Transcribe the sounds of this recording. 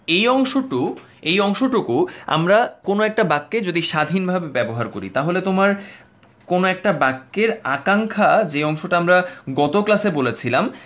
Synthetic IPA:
ejɔŋʃoʈu | ejɔŋʃoʈukua̰mɾakonoɛk̚ʈabakːed͡ʑod̪iʃad̪ʱinbʱabebɛboɦaɾkoɾḭt̪aɦolet̪omaɾ | konoɛk̚ʈabakːeɾakaŋkʰad͡ʑeɔŋʃoʈaamɾaɡɔt̪oklasebolet͡ɕʰilam

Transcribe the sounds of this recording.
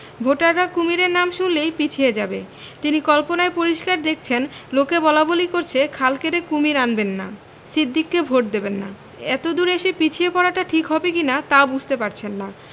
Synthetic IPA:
bʱoʈaɾːakumiɾeɾnamʃunlejpit͡ɕʰied͡ʑabe | t̪inikɔlponaepoɾiʃkaɾd̪ekʰt͡ɕʰenlokebɔlabolikoɾt͡ɕʰekʰalkeɾekumiɾanbenːa | sid̪ʱːikːebʱoʈ̚d̪ebenːa̰ | ɛt̪od̪uɾeʃepit͡ɕʰiepɔɾaʈaʈʰikɦɔbekinat̪aobud͡ʑʱt̪epaɾt͡ɕʰenːa

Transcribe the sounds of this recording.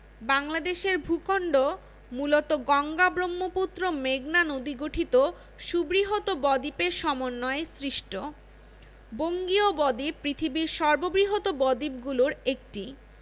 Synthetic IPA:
baŋlad̪eʃeɾbʱukʰoɳɖo | mulot̪oɡɔŋɡabɾomːoput̪ːɾomeɡnanod̪iɡoʈʰit̪o | ʃubɾiɦot̪obɔd̪ipeʃɔmonːɔesɾiʃʈo | boŋɡiobɔd̪ipɾit̪ʰibiɾʃɔɾbobɾiɦot̪obɔd̪ip̚ɡuloɾek̚ʈi

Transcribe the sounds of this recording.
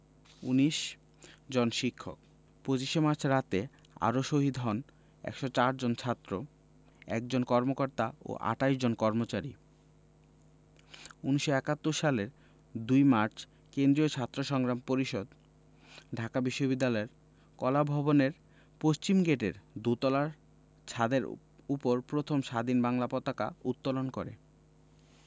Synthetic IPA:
ṵniʃ | d͡ʑonʃikʰːok̚ | pɾot͡ɕiʃemaɾt͡ɕʰɾat̪e | a̰ɾoʃoɦid̪ʱɦɔn | ɛ̰kʃot͡ɕaɾd͡ʑont͡ɕʰat̪ːɾo | ɛ̰k̚d͡ʑonkɔɾmokoɾt̪ao̰ʔa̰ʈaiʃd͡ʑonkɔɾmot͡ɕaɾi | uniʃoɛkat̪ːoɾʃaleɾ | d̪ujmaɾt͡ɕʰ | kend̪ɾiot͡ɕʰat̪ːɾoʃɔŋɡɾampoɾiʃod̪ | ɖʱakabiʃːobid̪ːalɔeɾ | kɔlabʱɔboneɾ | poʃt͡ɕimɡeʈḛɾd̪ut̪ɔlaɾ | t͡ɕʰad̪eɾ | upoɾpɾot̪ʰomʃad̪inbaŋlapɔt̪aka̰ut̪ːolonkoɾḛ

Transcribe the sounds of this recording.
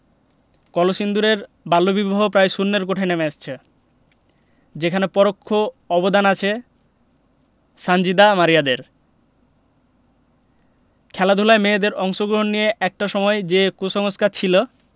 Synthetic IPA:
kɔloʃind̪uɾeɾ | balːobiboɦopɾajʃunːeɾkoʈʰenemeaʃt͡ɕʰe | d͡ʑekʰanepɔɾokʰːo | ɔbod̪anat͡ɕʰe | ʃand͡ʑid̪amaɾijad̪eɾ | kʰɛlad̪ʱulaemed̪eɾɔŋʃoɡɾoɦonːijeʔɛk̚ʈaʃɔmɔed͡ʑekoʃɔŋoskat͡ɕʰilo

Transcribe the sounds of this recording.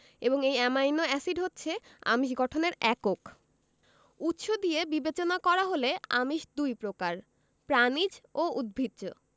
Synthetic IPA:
eboŋejɛmajnoɛsiɖɦotːɕʰea̰miʃɡɔʈʰoneɾɛkok | ut̪ːʃod̪iebibet͡ɕonakɔɾaɦoleamiʃd̪ujpɾokaɾ | pɾanid͡ʑoud̪̚bʱid̪d͡ʑo

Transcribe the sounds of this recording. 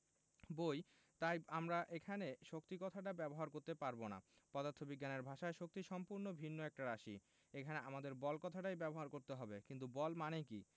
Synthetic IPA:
boj | t̪ajamɾaʔekʰaneʃokt̪ikɔt̪ʰaʈ̬abɛboɦaɾkoɾt̪epaɾbona̰pɔd̪aɾt̪ʰobiɡːaneɾbʱaʃaeʃok̚t̪iʃɔmpuɾnobʱinːoɛk̚ʈaɾaʃi | ekʰaneʔamad̪eɾbɔlkɔt̪ʰaʈajbɛboɦaɾkoɾt̪eɦɔbekint̪ubɔlmaneki

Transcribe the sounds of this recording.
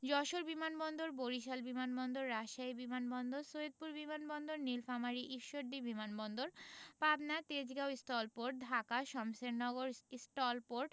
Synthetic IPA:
d͡ʑɔʃoɾbimanbɔnd̪oɾboɾiʃ̬albimanbɔnd̪oɾːaʃaibimanbɔnd̪oɾsoed̪̚puɾbimanbɔnd̪oɾnilfamaɾiʔiʃoɖɖibimanbɔnd̪oɾpabnat̪ed͡ʑɡawisʈɔlpoɾʈ̚d̪ʱakaʃɔmseɾnɔɡoɾisʈɔlpoɾʈ

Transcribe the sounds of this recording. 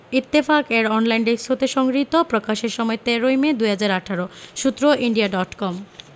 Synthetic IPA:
it̪ːifakeɾɔnlajnɖiksot̪eʃɔŋɡɾit̪opɾokaʃeɾʃɔmɔet̪eɾojmed̪ujɦad͡ʑaɾaʈʰaɾoʃut̪ːɾoʔiɳɖiaɖɔʈkɔm

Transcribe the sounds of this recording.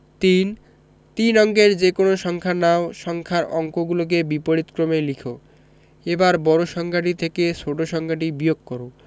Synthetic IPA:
t̪in | t̪inɔŋɡeɾd͡ʑekonoʃɔŋkʰanaoʃɔŋkʰaɾɔŋkoɡulok̬ebipoɽit̪kɾomelikʰo | ebaɾbɔɾoʃɔŋɡaʈ̬it̪ʰekesoʈoʃɔŋɡaʈ̬ibijoɡkːɔɾo

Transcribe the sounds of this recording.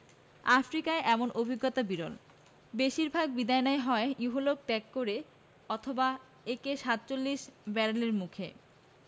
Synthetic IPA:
afɾikaeʔɛmonʔobʱiɡːot̪abiɾo̰l | beʃiɾbʱaɡ̚bid̪ajonaeɦɔejuɦolok̚t̪ɛkːoɾe | ɔt̪ʰoba | ekeʃat̪̚t͡ɕolːiʃbɛɾaleɾmukʰe

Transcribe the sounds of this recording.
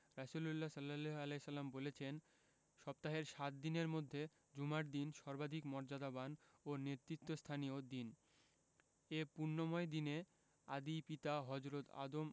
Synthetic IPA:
ɾasululːasɔlːalealesʌlːambolet͡ɕʰen | ʃɔp̚t̪aɦeɾʃat̪̚d̪ineɾmod̪ʱːe | d͡ʑumaɾd̪inʃɔɾbad̪ʱikmɔɾd͡ʑad̪abanoneɾt̪ɾit̪ːost̪ʰaniod̪in | epuɾnːomɔed̪ine | a̰d̪ipit̪aɦɔd͡ʑɾot̪a̰d̪om

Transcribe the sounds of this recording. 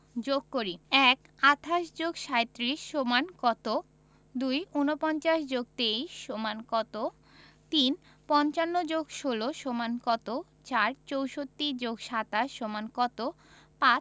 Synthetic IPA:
d͡ʑoɡ̚koɾiɛk | at̪ʰaʃd͡ʑoɡʃaet̪ːɾiʃːomankɔt̪o | d̪ujunopɔnt͡ɕaʃd͡ʑoɡ̚t̪eiʃːomankɔt̪o | t̪in | pɔnt͡ɕanːod͡ʑoɡʃoloʃomankɔt̪o | t͡ɕaɾt͡ɕowʃot̪ːid͡ʑoɡʃat̪aʃːomankɔt̪o | pa

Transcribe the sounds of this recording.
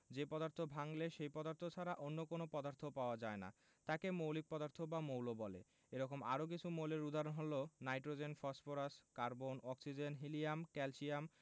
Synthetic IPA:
d͡ʑepɔd̪aɾt̪ʰobʱaŋleʃejpɔd̪aɾt̪ʰot͡ɕʰaɾaʔonːokonopɔd̪aɾt̪ʰopaoad͡ʑaena̰ | t̪akemowlik̚pɔd̪aɾt̪ʰobamowlobɔlḛ | eɾɔkoma̰ɾok̬it͡ɕʰumowleɾud̪aɾonɦolonajʈɾod͡ʑenfɔsfoɾaskaɾbonɔksid͡ʑenɦiliamkɛlʃiam

